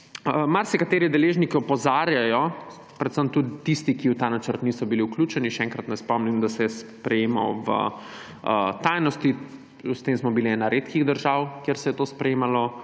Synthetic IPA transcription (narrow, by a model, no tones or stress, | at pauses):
əmaɾsɛkat̪eːɾid̪ɛleʒnikiɔpɔzaɾjajɔ | pɾɛt̪səmt̪ud̪it̪ist̪ikiwt̪aːnat͡ʃəɾt̪nisɔbiliwklʲuːt͡ʃɛniʃɛɛŋkɾat̪nɛspɔmnimd̪asɛspɾɛjeːmɔ̰ʋə̰ | ət̪ajnɔst̪i | st̪emsmɔbiliɛnaɾet̪kiɣd̪əɾʒawkjeɾsɛjɛt̪oːspɾɛjemalɔ